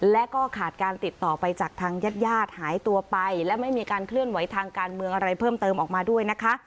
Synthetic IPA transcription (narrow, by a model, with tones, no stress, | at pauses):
lɛ˦˥kɔː˥˩kʰaː˨˩t̪̚kaː˧nt̪i˨˩t̪ːɔː˨˩pa˧jt͡ɕaː˨˩k̚t̪ʰaː˧ŋjaː˥˩t̪̚jaː˥˩t̪̚haː˩˦jt̪u˧ɐpa˧jlɛ˦˥ma˥˩jmiː˧kaː˧nkʰlɯ˥˩ənwa˨˦jt̪ʰaː˧ŋkaː˧nmɯ˧əŋʔa˧ɾa˧jpʰɤː˥˩mt̪ɤː˧mʔɔː˨˩k̚maː˧du˥˩əjna˦˥kʰa˦˥ʔ